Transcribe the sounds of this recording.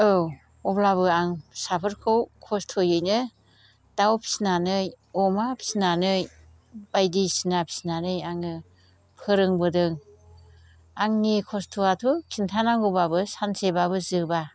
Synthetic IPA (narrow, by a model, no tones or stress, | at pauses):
ɯw | ɔblaβɯaŋsapʰɯɾkʰɯwkʰɔstʰojɯjnɯ | d̥awpʰi̥snanɯj | ɔmapʰi̥snanɯj | bajdisinapʰi̥snanɯjaŋɯ | pʰɯɾɯŋbɯdɯŋ | aŋnikʰɔstʰuatʰukʰintʰanaŋɡobabɯsansebabɯzɯba